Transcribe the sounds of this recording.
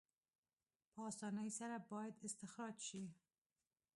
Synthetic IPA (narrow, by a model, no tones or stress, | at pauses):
pʰɑst̪ɑnajsaɾabɑjad̪ɪst̪ɪxɾɑd͡ʒʃi